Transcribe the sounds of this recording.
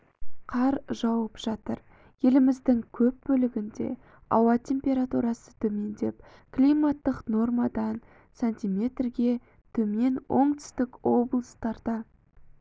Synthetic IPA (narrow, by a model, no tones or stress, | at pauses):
qʰɑɾʒɑwəpʒ̥ɑt̪əɾ | je̞lɪmɪzd̪ɪŋkʲʰɵp̚bɵlɪɡʲɪnd̪e̞̰ | ɑ̰wɑt̪ʲʰe̞mpʲe̞ɾat̪uɾɑsə̥t̪ʰɵme̞nd̪e̞̰p̚ | klʲijmat̪ːəqno̞rmɑd̪ɑn | sanʲt̪ʲijmʲe̞t̪rɡʲe̞ | t̪ʰɵme̞nwʔo̞̰ɴt̪ʏ̥st̪ɪkwo̞blˠəst̪ɑɾd̪ɑ